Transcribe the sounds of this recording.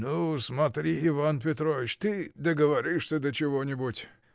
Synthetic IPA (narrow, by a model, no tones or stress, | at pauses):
nusmɐt̪ɾʲiivanpʲet̪ɾoʋʲɪt͡ʃt̪ɨd̪ɐɡəʋɐɾʲiʂsʲɐd̪ɐt͡ʃɪʋonʲɪbutʲ